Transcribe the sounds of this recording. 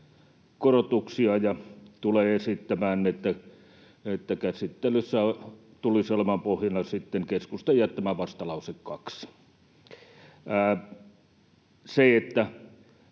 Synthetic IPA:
korot̪uksiɑjɑt̪uleesit̪ːæmæːnːiet̪ːæ | et̪ːækæsit̪ːeløsːæ | t̪ulisolemɑmpohjɑnɑsit̪ːeŋkeskust̪ejɑt̪t̪ːæmæʋɑst̪ɑlɑˑusekkɑks | æ | seet̪ːæ

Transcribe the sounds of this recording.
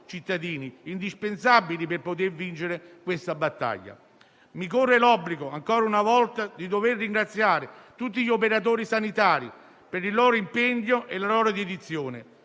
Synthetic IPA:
t͡ʃit̪ːad̪iːniːnd̪ispensabːilipɪrpot̪ervint͡ʃeɾɪkwest̪abat̪ːa̰ʎːa̰ | mikorːelɔbːliɡoaŋkɔːɾaunavɔlt̪ad̪id̪overːiŋɡɾat̪sːjaːɾɪt̪ut̪ːiʎːiopeɾat̪̬oːɾisanit̪aːɾi | peɾilːɔːɾoimpɛɲːoʔelalɔːɾod̪ed̪it̪sːjoːnɪ

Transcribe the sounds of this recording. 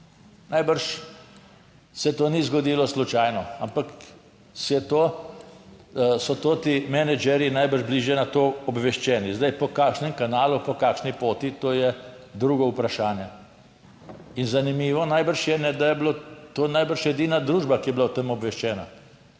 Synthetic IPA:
najbəɾʃ | sɛt̪oːnizɡɔd̪iːlɔslut͡ʃaːjnɔampak | sɛt̪oː | sɔt̪oːt̪imɛnɛd͡ʒɛɾjinajbəɾʒbliːʒjɛnat̪oːɔbʋɛʃt͡ʃɛːnizd̪ajpɔkaːkʃnɛmkanaːlupɔkaːkʃnipoːt̪it̪oːjɛ | d̪ɾuːɡɔupɾaʃaːnjɛ | inzanimiːʋɔnajbəɾʃjɛnɛd̪ajɛblot̪onajbəɾʃɛd̪iːnad̪ɾuːʒbakijɛblawt̪emɔbʋɛʃt͡ʃɛːna̰

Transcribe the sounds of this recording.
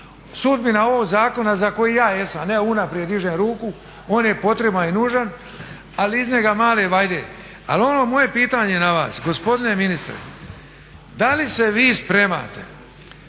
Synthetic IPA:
sud̪̚binaoʋoɡzaːko̞nazako̞jijaːje̞samneunapɾied̪iʒeːmɾuːku | o̞ːnje̞po̞t̪ɾe̞baninuːʒan | aliizɲe̞ɡamaːleʋajd̪ḛː | a̰lo̞noːmo̞je̞piːt̪aːɲenaʋa̰ːsɡo̞spo̞d̪ine̞minist̪ɾḛ | d̪alise̞ʋiːspɾe̞ma̰ːt̪ḛ

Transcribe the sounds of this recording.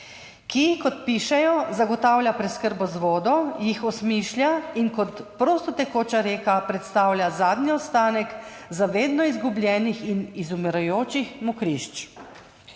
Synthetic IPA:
kiixkɔt̪̚piːʃɛjɔzaɡɔt̪aːwlʲjapɾɛt̪skəɾbɔzʋoːd̪ɔjixɔsmiːʃlʲjainkɔt̪pɾoːst̪ɔt̪ɛkoːt͡ʃaɾeːkapɾɛt̪st̪aːwlʲjʲazaːd̪niɔt̪st̪aːnɛk | zaʋeːd̪nɔizɡublʲjɛːnixinizumɛɾajoːt͡ʃixmɔkɾiʃt͡ʃ

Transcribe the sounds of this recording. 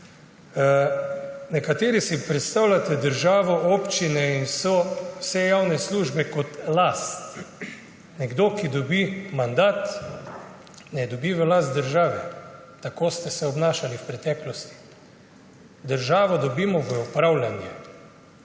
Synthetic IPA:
nɛkat̪eːɾisipɾɛt̪st̪awlʲat̪ɛd̪əɾʒaːʋɔʔoːpt͡ʃinɛinwsɔwsɛjawnɛsluʒbɛkɔt̪last̪ | nɛɡd̪oːkid̪ɔbimand̪at̪ | nɛd̪ɔbiʋəlast̪d̪əɾʒaːʋɛ | t̪akoːst̪ɛsɛɔbnaːʃaliwpɾɛt̪ɛːklɔst̪i̥ | d̪əɾʒaːʋɔd̪ɔbiːmɔʋəɔpɾawlʲanjɛ

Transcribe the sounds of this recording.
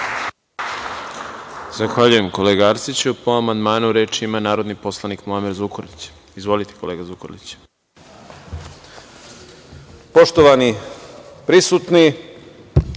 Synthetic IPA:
z̥axʋaʎuje̞mko̞leɡaɾt̪sit͡ɕupoamand̪maːnuɾeːt͡ʃimanaːɾod̪nipo̞slˠanikmuamiɾzukoɾlit͡ɕ | izʋo̞lit̪e̥ko̞leːɡazukoɾlit͡ɕ | poʃt̪oʋani | pɾisut̪ni

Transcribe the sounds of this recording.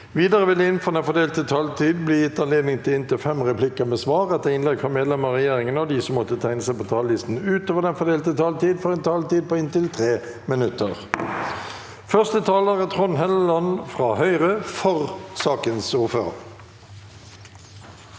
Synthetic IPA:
ʋiːd̪əʁəʋɪləɪnfɔʁd̪ɛnfɔd̪eːlt̪ət̪ʰɑlt̪ʰiːd̪̚bliːjɪt̪ːɑnleːd̪nɪŋt̪ʰɪlɪnt̪ɪlfɛmʁɛplɪkəmeːsʋɑːʁɛt̪əʁɪnlɛɡfʁɑːmeːd̪lɛməʁɛjeːʁɪŋənəɔd̪iːsɔmːɔt̪ət̪ʰæɪnəsæɪpoːt̪ʰɑːləlɪst̪n̩ʉːt̪oːʋəd̪ɛnfɔd̪eːlt̪ət̪ʰɑːlt̪iːd̪fɔʁɛnt̪ʰɑːlt̪iːd̪̚poːɪnt̪ɪlt̪ʰʁeː | mɪnʉt̪əʁ | fœʁst̪ət̪ʰɑːləʁət̪ʰʁɔnhɛllɑnfʁɑːhœʏʁəfɔʁsɑːkənsuːfø̰ːʁ

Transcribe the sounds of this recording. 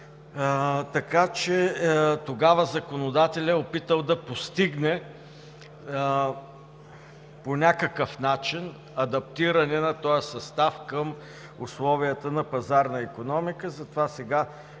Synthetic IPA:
t̪ɐkat͡ʃɛt̪oɡavəzɐkonod̪at̪ɛlʲəopit̪əlˠd̪ɐpost̪iɡnɛ | ponʲakəkəfnat͡ʃin | ɐd̪ɐp̚t̪iɾɐnɛnɐt̪ɔjəsɐst̪afkəm | ʊslˠɔviət̪ənɐpɐzaɾnɐikonɔmikəzɐt̪ovasɛɡa

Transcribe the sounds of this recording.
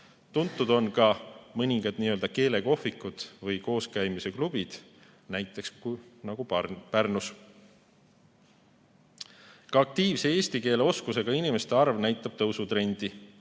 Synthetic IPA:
t̪unt̪ːˑud̪̥o̞nkɑmɤnʲiŋɡɑd̪̥niø̞ld̪̥ɑke̞ːle̞ɡo̞fikːud̪̥vɤjko̞ːskæjmise̞klub̥id̪̥ | næjt̪ːˑe̞kskunɑɡ̥upærnus | kɑːk̚t̪iːvse̞e̞ːst̪ike̞ːle̞o̞skuse̞ɡ̥ɑinime̞st̪e̞ɑrvnæjt̪ːˑɑb̥̚t̪ɤwsut̪ɾe̞nʲd̪̥i

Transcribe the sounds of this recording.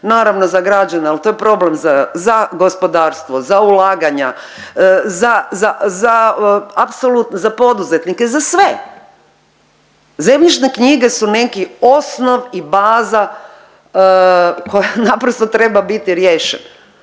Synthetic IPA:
naːɾaʋno̞zaɡɾad͡ʒanealt̪o̞jepɾo̞blemzazaɡo̞spo̞d̪aːɾst̪ʋo̞zaulaːɡaɲa | zazazaapsolut̪nzapo̞d̪uze̞t̪nikezasʋe | zemʎit͡ʃnekɲiɡe̞sunekio̞sno̞ʋibaːza | ko̞janapɾost̪ot̪ɾe̞babit̪iɾjeːʃen

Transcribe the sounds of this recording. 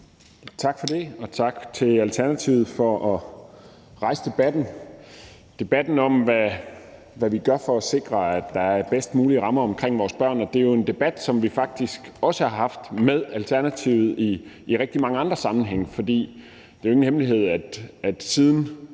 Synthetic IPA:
t͡sʰɑ̈ɡ̥fɒ̽d̥e̝ɒ̽t͡sʰɑ̈ɡ̥t͡sʰe̝lælt͡sʰæɐnæt͡sʰiʊð̩ˠfɒʔɒ | ʁɑ̈ɪsə̥d̥e̝b̥æd̥n̩ | d̥e̝b̥æd̥n̩ɒ̽mʋæ | ʋæʋiɡ̥ɶɐfɒ̽ɒse̝ɡ̥ʁɐæd̥ːɑ̈æɐb̥esd̥muːliəʁɑ̈mɐɒ̽mkʰʁeŋ̰ʋɒːsb̥ɶɐ̰nɒ̽d̥e̝jo̝e̝nd̥e̝b̥æd̥sɒ̽mʋifɑ̈ɡ̥̚d̥isɡ̥ɒ̽səhɑ̈hɑ̈fd̥með̞ˠælt͡sʰæɐnæt͡sʰiʊð̞̩ˠiːʁɛɡ̥̚d̥imɑ̈ŋəɑ̈nd̥ʁɐsɑ̈mn̩ɦeŋ̰əfɒ̽d̥ḭː | d̥e̝oe̝ŋn̩ɦemliɦe̝ð̰ˠæd̥æd̥siːð̞ˠn̩

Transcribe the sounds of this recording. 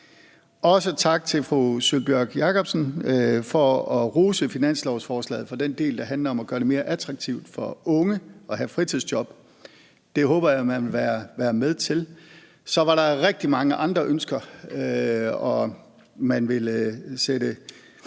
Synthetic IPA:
ɒ̽sət͡sʰɑ̈ɡ̥̚t͡sʰe̝lfʁusylb̥jøɡ̥jɑ̈kʰɒ̽b̥sən̩fɒ̽ɒʁuːsəfinæn̰slɒʊsfɒːslɛ̰ːð̩ˠfɒ̽d̥end̥e̝̰ːld̥ɑ̈ɦænlɐɒ̽mɒɡ̥ɶːɐɾeme̝ːɐʔæd̥ʰʁɑ̈ɡ̥̚t͡sʰiʊ̰d̥fɒ̽ɔ̽ŋəɒ̽ɦæfʁit͡sʰið̰ˠsd̥jɒ̽b̥ | d̥e̝ɦɔːb̥ɐjamænʋe̝lʋæːɐʋæːɐmeðˠt͡sʰe̝l | sɒ̽ʋɑ̈ɾɑ̈ʁeɡ̥̚d̥imɑ̈ŋəʔɑ̈nd̥ʁɐʔønsɡ̥ɐ | ɒ̽ | mænʋe̝lsed̥ə

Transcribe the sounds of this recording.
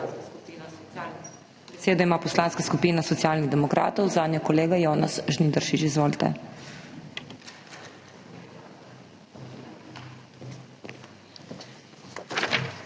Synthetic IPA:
seːd̪aimaːpɔslaːnskaskupiːnasɔt̪sjaːlniɣd̪ɛmɔkɾʔa̰ːt̪ɔwzaːd̪nʲjɔkɔleːɡajoːnasʒnid̪əɾʃit͡ʃizʋoːlt̪ɛ̰

